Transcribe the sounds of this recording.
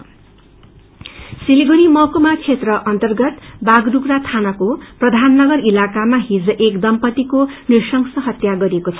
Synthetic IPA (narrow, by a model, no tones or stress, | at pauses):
siliɡuɾimʌkomat͡sʰet̪rʌʔʌnt̪ʌrɡʌt̪baɡrukrat̪ʰanʌkoprʌd̪ʱanːʌɡʌrilakamaɦid͡zʌʔekd̪ʌmpʌt̪ikonirsʌŋsʌɦʌt̪jaɡʌɾekot͡sʰʌ